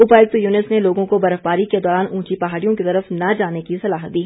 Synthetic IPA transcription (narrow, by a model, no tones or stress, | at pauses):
ʊpaːɪk̚t̪juːnɪsneloːɡõkobɐɾəfbaːɾiked̪ɔːɾaːnũːt͡ʃipɐɦaːɽijõkit̪ɐɾəfnad͡ʒaːnekisɐlaːɦd̪iːɦ